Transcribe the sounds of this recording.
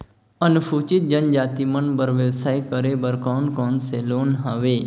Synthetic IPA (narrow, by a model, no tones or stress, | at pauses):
ənupʰuːt͡ʃɪt̪̚d͡ʒənd͡ʒaːt̪imənbəɾʋjəʋsaːjkəɾebəɾkaːnkoːnseloːnɦaʋeː